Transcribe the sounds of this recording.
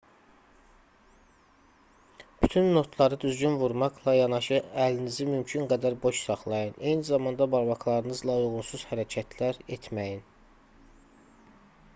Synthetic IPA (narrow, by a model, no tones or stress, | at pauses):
b̥yt̪ʰynːo̞t̪ʰlˠɑɾɯd̪yzɟynvuɾmɑqlˠɑjɑnɑʃɯælinizimymcʰynɡæd̪æɾbo̞ʃsɑχlˠɑjɯne̞jnizɑmɑnd̪ɑbɑɾbɑklˠɑɾɯnɯzlˠɑujɣunsuz̥hæɾæcʰæt̪ʰlæɾet̪ʰmæjin